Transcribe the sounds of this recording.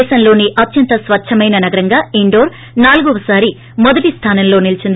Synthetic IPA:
ʃɐmlo̞ːniʔɐt̪jɐnt̪ɐsʋɐt͡ʃʰːɐmɐjnɐnɐɡɐɾɐŋɡaːiɳɖo̞ːɾ | naːluɡɔʋɐsaːɾi | mɔd̪ɐʈist̪ʰaːnɐmlo̞ːnilit͡ʃind̪i

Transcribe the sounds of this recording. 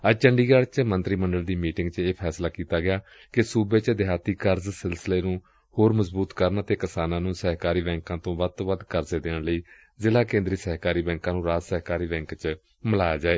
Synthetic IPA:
əd͡ʒt͡ʃəɳɖiːɡaːɽt͡ʃmənt̪ɾiːməɳɖəld̪iːmiːʈɪ̃ŋɡt͡ʃeːpʰɛːslaːkiːt̪aːɡɪjaː | kɪsuːbeːt͡ʃd̪ɪɦaːt̪iːkəɾzsɪlsəleːnũː | hoːɾməzbuːt̪kəɾnaːt̪eːkəsaːnãːnũːsəɦkaːɾiːbɛ̃ːŋkãːt̪õːʋət̪õːʋəd̪kəɾzeːd̪eːɳləiː | zɪlaːkẽːnd̪ɾiːsɛːɦkaːɾiːbɛ̃ːŋkãːnũːɾaːd͡ʒsəɦkaːɾiːbɛ̃ːŋkt͡ʃ | məlaːjaːd͡ʒaːeː

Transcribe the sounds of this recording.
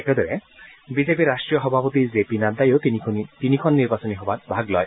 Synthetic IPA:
ɛkɛd̪ɔɹɛbizepiɾːasʈɹijɔxɔbʱapɔt̪izepinad̪ajot̪nʰit̪inikʰɔnːiɾbasɔniɦɔbatbʱaɡlɔj

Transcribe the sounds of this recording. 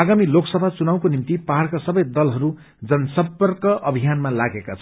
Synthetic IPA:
aɡamiloksʌbʱat͡sunaw̃konimt̪ipaɦarkasʌbʌjd̪ʌlɦʌɾu | d͡zʌnʌsʌpʌrkʌʔʌbʱijanmalaɡekat͡sʰʌ

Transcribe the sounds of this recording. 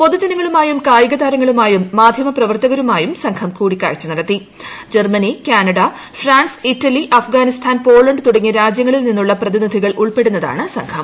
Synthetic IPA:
po̞ðud͡ʑɐnɐŋːɐɭumaːjumkaːjiɣɐðaːɾɐŋːɐɭumaːjumːaːd̪ʱjɐmɐprɐʋɐrt̪ɐɣɐɾumaːjumsɐŋkʰɐmkuːɽikʲːa̰ːɻt͡ɕːunɐɽɐt̪ːi | d͡ʑermɐnikʲaːnɐɽɐ | fraːɳsitːɐliʔɐfɡaːnist̪ʰaːnpo̞ːɭɐɳɖɨt̪uɽɐŋːɐɾaːd͡ʑjɐŋːɐɭilninːuɭːɐprɐðinid̪ʱiɣɐɭʔuɭpe̞ɽunːɐða̰ːɳɨsɐŋkʰɐm

